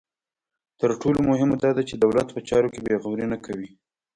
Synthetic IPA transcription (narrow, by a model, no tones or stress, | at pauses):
t̪əɾʈʰolomʊɦɪmad̪ɑd̪at͡ʃed̪awlat̪pət͡ʃɑɾokebeɣawɾinakawi